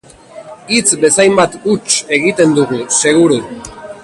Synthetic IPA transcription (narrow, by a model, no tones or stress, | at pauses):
it͡sbe̞sajmbat̪ut͡ʃe̞ɣ̞it̪e̞nd̪uɣuse̞ɣ̞uɾu